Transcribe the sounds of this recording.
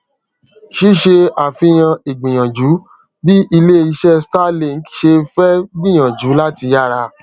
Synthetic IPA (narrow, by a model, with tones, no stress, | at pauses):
ʃi˦ʃe˧a˨fĩ˧j̃ã˧e˨ɡ͡bĩ˨j̃ã˨d͡ʒu˨˦ | bi˦i˧le˦i˧ʃɛ˦sta˦le˦˨ŋ̩˦ki̥˦ʃe˧fɛ˦ɡ͡bĩ˦˨j̃ã˨d͡ʒu˨˦la˦ti˧ja˦˨ɾa˧